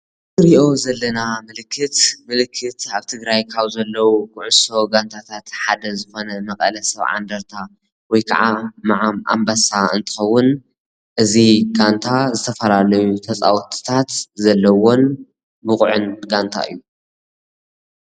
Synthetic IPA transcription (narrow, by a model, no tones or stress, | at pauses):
ɾiʔo̞zɐlːɐnamɨlɨkʰːɨt̪mɨlɨkʰːɨt̪aβt̪ʰɨɡɾajkʰaβzɐlːɐwukʰuʕʊso̞ɡant̪ʰat̪ʰat̪ħad̪ɐzɨxo̞nɐmɐkʼɐ̰lɐsɐβʕa̰nd̪ɐɾt̪ʰa | wɔjkʰa̰ʕamaʕama̰mbasaɨ̰nt̪ʰɨ̥xɐwːʊn | ʔɨziɡant̪ʰazɨt̪ʰɐfɐlalɐjut̪ʰɐt͡sʼa̰wt̪ʰɨ̥t̪ʰat̪zɐlːɐwo̞n | bɨkʼʕʊnɡant̪ʰa̰ɨ̰jːu